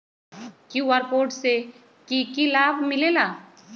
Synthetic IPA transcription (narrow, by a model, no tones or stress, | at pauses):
kiwaɾpoːɾʈse | kikilaːbʱmɪlelaː